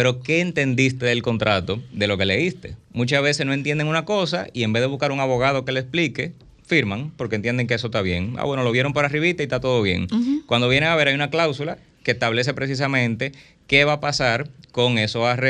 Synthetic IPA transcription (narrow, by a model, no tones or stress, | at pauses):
pe̞ɾo̞ke̞ːnt̪e̞nd̪ist̪eðelko̞nt̪ɾat̪o̞ðe̞lo̞ke̞le̞ist̪e̞̰mũt͡ʃasβe̞se̞sno̞e̞nt̪je̞nd̪eŋunako̞sa̰iembeðeuskaɾuŋaβo̞ɣað̞o̞ke̞lesplike̞ | fiɾmaŋpo̞ɾkent̪jend̪e̞ŋkees̬ost̪aβje̞̰ŋa̰βwe̞no̞lo̞βje̞ɾo̞mp̬oɾariβit̪ait̪at̪o̞ðo̞βje̞̰ŋkwand̪o̞βje̞neaβe̞ɾajunaklawsula | kest̪aβle̞s̬e̞pɾe̞s̬is̬amẽ̞nt̪e̞ | ke̞βapasaɾko̞ŋe̞soare